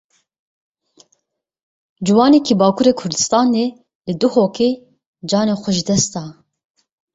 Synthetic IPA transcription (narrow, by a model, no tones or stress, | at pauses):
d͡ʒɨwɑːnɛkʰiːbɑːkʰuɾeːkʰʊɾd̪ɨst̪ɑːneː | lɨd̪uhoːke | d͡ʒɑːneːxʷʊʒd̪ɛst̪ɑː